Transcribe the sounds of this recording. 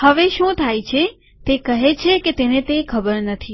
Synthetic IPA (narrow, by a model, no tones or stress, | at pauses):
həʋeʃũt̪ʰajt͡ʃʰe | t̪ekəɦet͡ʃʰeket̪enet̪ekʰəbəɾnət̪ʰi